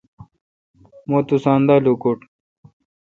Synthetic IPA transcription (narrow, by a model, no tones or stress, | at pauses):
moːt̪usaːnd̪aːlukoʈ